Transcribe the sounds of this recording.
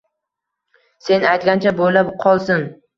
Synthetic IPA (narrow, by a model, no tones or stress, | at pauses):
se̞najt̪ɡʲant͡ʃʰabolapqʰɒlˠsɪn